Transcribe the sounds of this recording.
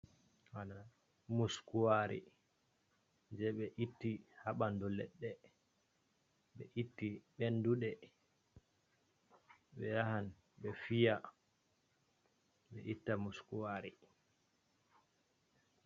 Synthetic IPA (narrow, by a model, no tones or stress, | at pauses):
wana | muskuwaɾḭ | nd͡ʒɛɓɛʔitːihaɓandɔlɛ̰ɗːɛ | ɓɛ̰ʔitːiɓɛnduɗɛ | ɓɛjahan | ɓɛfija | ɓɛ̰ʔitːamuskuwaɾi